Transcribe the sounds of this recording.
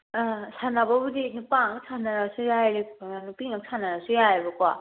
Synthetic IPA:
sanababudinupaŋaksʰanaɾasujajɾinupiŋaŋ̚sʰanaɾasujajabakwa

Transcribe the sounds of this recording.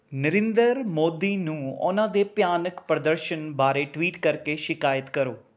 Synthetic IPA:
nəɾẽːnd̪əɾmoːd̪iːnũːʊ̰nãːd̪eːpjaːnəkpɾəd̪əɾʃənbaːɾeʈwiːʈkəɾkeʃɪkaːjət̪kəɾoː

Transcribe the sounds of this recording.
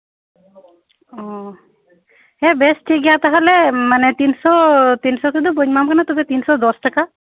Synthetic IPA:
ɔ | ɦɛbesʈʰiɡijat̪aɦalɛmanet̪insɔt̪insɔk̪ʰud̪uboɲmamkanat̪ɔbɛt̪insɔd̪ɔsʈaka

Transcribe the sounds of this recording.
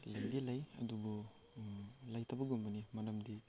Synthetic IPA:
lajdilajɐ̰dubɔ | lajtʰɐbɐɡumbɐnimɐɾɐmdi

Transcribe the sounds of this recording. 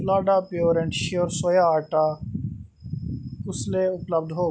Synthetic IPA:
laːɖaːpjoːɾɛ̃ɳʈʃoːɾsojaːaːʈaː | kʊsleːʊpləb̚d̪ʱɦoː

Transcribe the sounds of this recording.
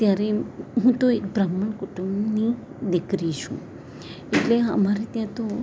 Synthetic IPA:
t̪jaɾeɦũt̪oekbɾəməɳkʊʈumbni | d̪ɪkɾit͡ʃʰṵ̃ | eʈleɦə̰maɾet̪jãt̪o

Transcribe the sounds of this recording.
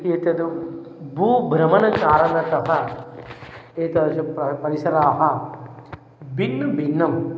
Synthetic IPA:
et̪ɐd̪u | bʱuːbʱɾɐmɐnɐkaːɾɐnɐt̪ɐɦɐ | eːt̪ɐɐsɐɐpɐɾisɐɾaːɦɐ | binːubʱinːɐm

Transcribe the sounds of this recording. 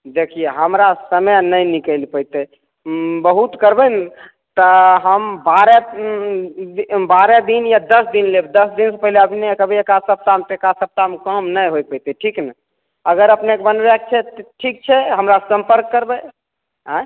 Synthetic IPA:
d̪ekʰijeɦəmɾasəməjnəjnikəlpəjt̪e | bəɦut̪kəɾbən | t̪əɦəmbaɾe | ibaɾed̪injad̪əsd̪inlebd̪əsd̪insəpəɦileəbʱnekəbʱiekasəp̚t̪amt̪ekasəp̚t̪amkəmnəjɦojpəjt̪eʈʰiknɛ | əɡəɾəpnekebənbɛk̚t͡ʃʰɛt̪ʈʰik̚t͡ʃʰɛɦəmɾasə̃mpəɾkːəɾbə | ɦã

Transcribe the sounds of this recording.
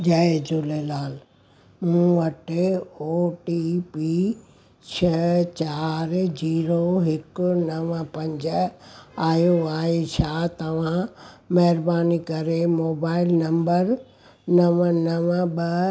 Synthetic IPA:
d͡ʑaːed͡ʑulelaːl | mũːʋɐʈeoːʈipi | t͡ɕʰɐt͡ɕaːɾd͡ʑiːɾoɦɪkʊnɐʋəpɐ̃ɲd͡ʑəaːjoaːɦet͡ɕʰaːt̪ɐʋ̤ãmɐɦɪɾbaːnikɐɾemoːbaːɪlnɐ̃mbəɾ | nɐʋnɐʋɓɐ

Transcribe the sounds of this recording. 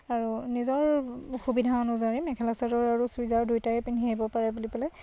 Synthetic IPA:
aɹunizɔɹxubidʱaɔnɔzaɹimɛkʰɛlasadɔɹaɹusujzaɹdujtaɛpinɦeibɔpaɹɛbulipɛlɛ

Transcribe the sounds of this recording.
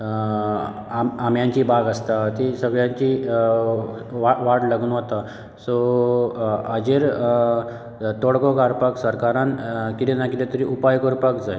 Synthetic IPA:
amamjãɲt͡ɕibaɡəst̪at̪isəɡɭjãɲt͡ɕi | ʋaʋaʈlaɡunɦot̪a | sɔ | əd͡ʑeɾ | t̪oɽkɔkaɾpəksəɾkaɾãnkit̪enakit̪et̪əɾiʔupajkɔɾpəkd͡zaj

